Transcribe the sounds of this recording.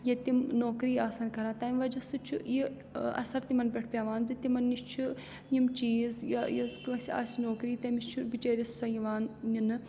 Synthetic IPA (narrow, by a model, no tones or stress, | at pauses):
jɐt̪imnoːkɾiːaːsɐnkɐɾãːt̪ɐːmʲʋɐd͡ʒɐsɨt͡ʃʰuji | ɐ̰sɐɾt̪imɐnbʲeʈʰpʲaːʋaːnzit̪imɐnːist͡ʃʰu | jimt͡ʃiːzjɐjɐzkɨsʲia̰ːsʲinoːkɾiːt̪ɐmiʃt͡ʃʰubit͡ʃeːɾʲɐssɐjiʋaːnːinɨ